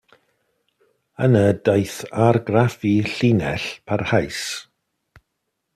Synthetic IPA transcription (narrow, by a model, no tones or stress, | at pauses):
ənədajθarɡrafiɬinɛ̰ɬpʰarhajs